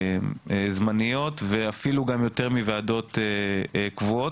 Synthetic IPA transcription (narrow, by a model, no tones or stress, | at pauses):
ezmanijo̞t̪veafiluɡamjo̞t̪e̞ʁmiveado̞t̪eekvuot